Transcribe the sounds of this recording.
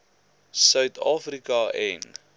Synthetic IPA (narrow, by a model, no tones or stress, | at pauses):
sœɥt̪ʰɑːfɾikɐʔɛn